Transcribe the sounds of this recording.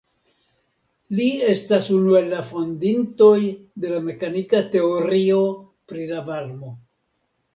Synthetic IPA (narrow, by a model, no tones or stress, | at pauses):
lie̞stasunue̞lːafo̞ndinto̞jd̪e̞lame̞kanikate̞oɾio̞ | pɾilavaɾmo̞